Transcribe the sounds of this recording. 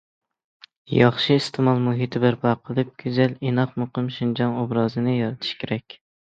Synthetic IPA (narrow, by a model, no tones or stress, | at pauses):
jɑχʃɪist̪ʰɨmɑlˠmuɦit̪ʰɪbæɾplˠɑqʰəlˠɨp̚ɡʲyzælinɑqmoqɨmʃind͡ʒɑŋobɾɑːzɨnɪjɑɾɨt̪ʰɪ̥ʃkʲʰeɾɛkʲ